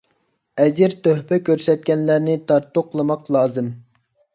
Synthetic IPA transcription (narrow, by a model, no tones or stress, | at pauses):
ɛd͡ʒɪɾt̪øhpɛkʲøɾsɛt̪̚kʲɛnlæɾnɪt̪ʰɑɾt̪ːoqʰlˠɨmɑqlˠɑːzɨm